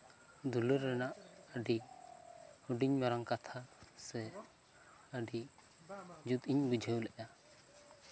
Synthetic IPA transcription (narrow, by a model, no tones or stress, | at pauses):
d̪uləɾːɛnaʔəɖi | huɖiɲmaɾaŋkat̪ʰasɛ | əɖi | d͡ʒut̪iɲbud͡ʒʱəwlɛʔa